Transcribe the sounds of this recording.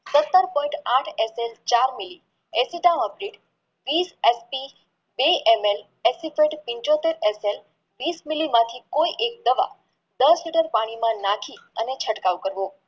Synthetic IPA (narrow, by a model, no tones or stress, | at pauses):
sət̪ːəɾpɔĩɳʈaʈʰeselt͡ʃaɾmili | esiɖaməpɾiʈ | ʋisespi | beʔemel | esifeʈpĩɲt͡ʃot̪eɾesel | ʋismilːimãt̪ʰikoiʔek̚d̪əʋa̰ | d̪əsliʈəɾpaɽ̃imãnakʰiənet͡ʃʰəʈkaʋkəɾʋo